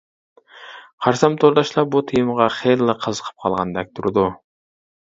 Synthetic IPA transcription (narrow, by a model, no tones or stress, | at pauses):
qʰɑɾsɑmt̪ʰoɾd̪ɑʃlˠɑbut̪ʰijɨmʁɑχellːˠəqʰəzə̥qʰə̥p̚qʰɑlˠʁɑ̰nd̪ɛk̚ʲt̪ʰuɾud̪u